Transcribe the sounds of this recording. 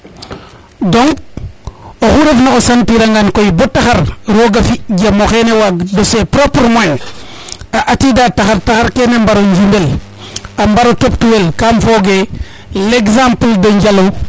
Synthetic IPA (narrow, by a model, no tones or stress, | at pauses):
doŋk | oxuɾefnaosanpiɾaŋɡankojibotːaxaɾɾoɡafiɟamoxenewaɡdosepɾopɾmaɲ | aʔatidataxaɾtaxaɾkenembaɾoɲd͡ʒimbel | ambaɾotop̚tuwelkamfoɡe | leksãmpldoɲɟalo